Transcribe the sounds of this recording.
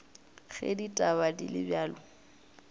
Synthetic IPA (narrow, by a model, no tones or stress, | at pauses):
ɣḛditʼabadilɪbjaːlʊ